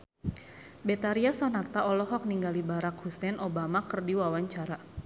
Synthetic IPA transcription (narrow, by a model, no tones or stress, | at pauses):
bɛt̪aɾiasɔnat̪aɔlɔɦɔk̚niŋɡalibaɾakhusɛnʔɔbamakərdiwawaɲt͡ʃaɾa